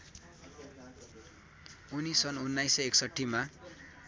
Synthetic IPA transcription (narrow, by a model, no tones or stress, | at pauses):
unisʌnunːajseeksʌʈʰːima